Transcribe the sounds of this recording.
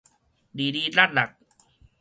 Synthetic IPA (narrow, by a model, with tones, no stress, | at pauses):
diː˨˩diː˧laː˥˩t̪̚la˨˩k̚